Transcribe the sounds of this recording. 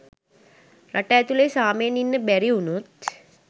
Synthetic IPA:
ɾʔɐʈajt̪ulejsaːmeːninːəbɛɾiunut̪

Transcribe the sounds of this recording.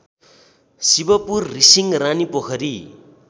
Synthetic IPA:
sibʌpurːisiŋranipokʰʌɾi

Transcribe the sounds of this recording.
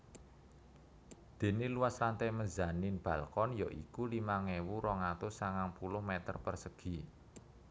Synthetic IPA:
d̪̥e̤neluwaslant̪ɛmənzanɪnb̥ä̤lkɔnjɔʔḭkulimaŋewuɾɔŋat̪ʊsaŋaŋpulʊhmɛt̪ə̰rpərsəɡ̥i̤

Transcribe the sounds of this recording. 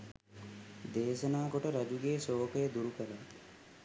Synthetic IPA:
d̪eːʃɐnaːkoʈəɾad͡ʒuɡeːsoːkəjəd̪uɾukəla

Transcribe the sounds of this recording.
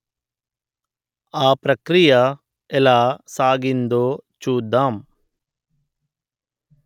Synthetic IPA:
aːpɾɐkɾijɐ | ɛlaːsaːɡind̪oːt͡ʃuːd̪ːaːm

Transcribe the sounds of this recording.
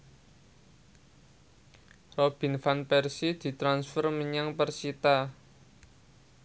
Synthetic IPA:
rob̥i̤nfanpɛrsid̪̥i̤t̪ɾansfərməɲaŋpərsit̪a

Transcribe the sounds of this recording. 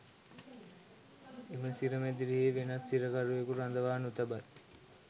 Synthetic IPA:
eməsiɾəmed̪iɾiɦiːʋenɐt̪siɾəkaɾuekuɾand̪əʋaːnut̪ɐbat

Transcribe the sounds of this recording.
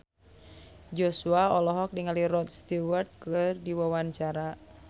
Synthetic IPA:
d͡ʒosuaɔlɔɦɔk̚niŋaliɾɔt̪̚st̪iwɛrt̪̚kɨrdiwawaɲt͡ʃaɾa

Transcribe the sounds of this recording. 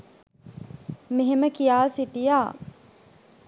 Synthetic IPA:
meɦeməkijaːsit̪ijaː

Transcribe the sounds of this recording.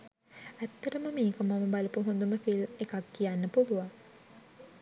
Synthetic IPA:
æt̪ːɐʈəməmeːkəmaməbaləpuɦond̪uməfilmekakːijanːəpuluʋaŋ

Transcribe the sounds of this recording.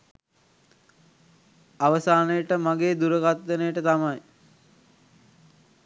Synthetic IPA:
aʋəsaːnəjəʈəmaɡeːd̪uɾəɡat̪ʋenəjəʈət̪amaj

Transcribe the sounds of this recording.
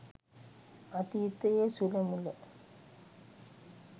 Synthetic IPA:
ɐt̪it̪ːɐjeːsulɐmulːɐ

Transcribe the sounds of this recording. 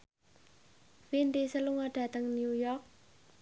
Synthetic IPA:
vind̪isəluŋəɖ̥a̤t̪əŋnjujɔrk̚

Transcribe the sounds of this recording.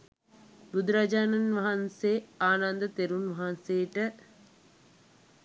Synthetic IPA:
bud̪uɾad͡ʒaːnɐnʋɐɦanseːaːnand̪ət̪eɾunʋɐɦanseːʈə

